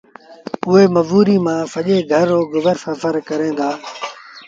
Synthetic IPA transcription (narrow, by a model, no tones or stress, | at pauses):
ʊɦeːməʋuːɾiːmãːfəʄeːɡʱəɾoːɡʊʋəɾfəfəɾkəɾẽːnd̪aː